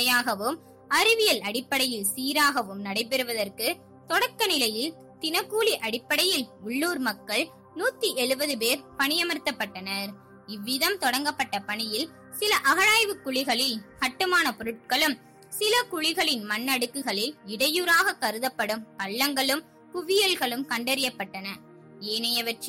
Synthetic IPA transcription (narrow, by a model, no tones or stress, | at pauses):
ɐjaːɣɐʋɯm | ɐɾɪʋɪjɐlɐɽɪpːɐɽɐjɯlsiːɾaːɣɐʋɯmnɐɽɐɪp̬ɛɾɯʋɐðɐrkɯ | t̪ɔɽɐkːɐnɪlɐjɪl | t̪ɪnɐkːuːliʔɐɽɪpːɐɽɐjɪlʊɭːuːɾmɐkːɐɭ | nuːt̪ːiʔɛɻɯbɐðɯp̬eːɾpɐɳɪjɐmɐɾt̪ːɐpːɐʈːɐnɐɾ | ɪʋːɪðɐmt̪ɔɽɐŋɡɐpːɐʈːɐpɐɳɪjɪl | sɪlɐʔɐɣɐɻaːjʋɯkːʊɭɪɣɐɭɪlkɐʈːɯmaːnɐpɔɾɯʈ̚kɐɭɯm | sɪlɐkʊɻɪɣɐɭɪnmɐnːɐɽɯkːɯɣɐɭɪlɪɽɐjuːɾaːɣɐkːɐɾɯðɐpːɐɽɯmpɐɭːɐŋɡɐɭɯm | pʊʋɪjɐlɣɐɭɯmkɐɳɖɐɾɪjɐpːɐʈːɐnɐ | eːnɐjɐʋɐʈr